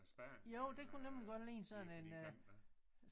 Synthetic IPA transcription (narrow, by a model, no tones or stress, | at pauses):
joʊ̰d̥e̝kʰunemliɡ̥ɒ̽d̥lḭːnsɒ̽n̩e̝n